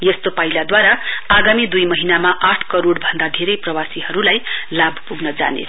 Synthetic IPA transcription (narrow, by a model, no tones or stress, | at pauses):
jest̪opailad̪waɾaaɡamid̪ujmʌɦinamaʔaʈʰkʌɾoɽbʱʌnd̪ad̪ʱeɾʌjprʌwasiɦʌɾulajlabʱpuɡnʌd͡za̰nḛ